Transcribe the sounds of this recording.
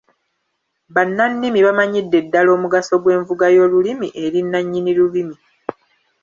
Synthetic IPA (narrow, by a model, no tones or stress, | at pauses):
βanːanːimiβamaɲidːe̞dːalo̞ːmuɡaso̞ɡwe̞ːɱvuɡajo̞ːlulimiʔe̞ɾinːaɲːiniɾuβimi